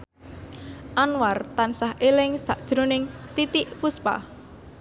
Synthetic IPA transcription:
ʔanwart̪ansahʔelɪŋsa̰ʔd̥ʒ̥ɾonɪŋt̪it̪iʔpuspa̰

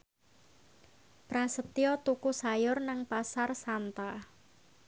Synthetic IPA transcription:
pɾasət̪iɔt̪ukusajʊrnaŋpasarsant̪a

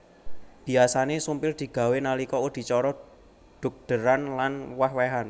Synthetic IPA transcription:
b̥i̤asanesumpɪrd̪̥i̤ɡ̥a̤wenalikɔud̪̥i̤t͡ʃɔɾɔ | ɖ̪̥ṳk̚d̪̥ə̤ɾanlanwahwɛɦan

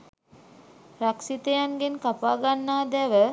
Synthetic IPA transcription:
ɾaksit̪əjanɡenkapaːɡanːaːd̪ɛʋə

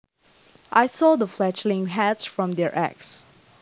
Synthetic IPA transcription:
ʔajsɔðəflɛt͡ʃlɪ̃ŋɦætsfɹɔ̃md̪ɛɹʔæ̰ks

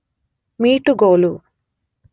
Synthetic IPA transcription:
miːʈuɡoːlu

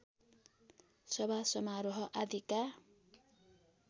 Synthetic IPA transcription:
sʌbʱasʌmaɾoɦʌʔad̪ʱika

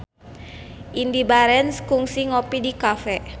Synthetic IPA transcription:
ʔindibaɾɛnskuŋsiŋopidikafɛ

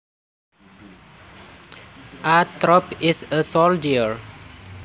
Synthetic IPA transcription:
ʔat̪ɾɔpɪsəsɔldiəɹ

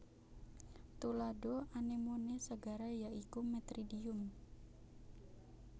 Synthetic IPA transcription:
t̪uladoanemonesəɡaɾajaikumɛt̪ɾidiʊm

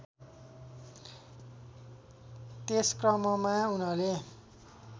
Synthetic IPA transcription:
t̪eskrʌmʌmaunʌle

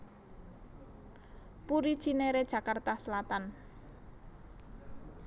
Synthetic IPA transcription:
puɾid̥ʒ̥ineɾed̥ʒ̥ä̤kart̪asəlat̪an

